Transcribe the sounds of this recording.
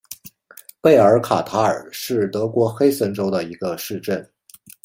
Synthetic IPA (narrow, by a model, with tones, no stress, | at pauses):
pe˥˩ɪə˞˧˥kʰa̰˨˩t̪ʰa˧˥ə̰˞˨˩ʂɻ̩˥˩t̪ɤ˧˥kwɔ˧˥xe˥ɪsə˧˥nʈ͡ʂo˥ʊd̪ə˨i˧˥ɡə˧ʂɻ̩˥˧ʈ͡ʂə˥˩n